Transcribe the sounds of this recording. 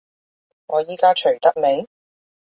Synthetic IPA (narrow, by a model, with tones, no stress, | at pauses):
ŋɔː˨˧jiː˨˧kaː˥t͡ʃʰɵ˨˩ɥt̪ɐ˥k̚me˨˧j